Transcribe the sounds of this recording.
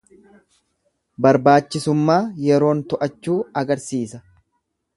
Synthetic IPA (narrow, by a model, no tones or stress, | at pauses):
bɐɾbaːt͡ʃːɪsʊmːaːjɛɾo̞ːnt̪ɔʔɐt͡ʃːuːɐɡɐɾsiːsɐ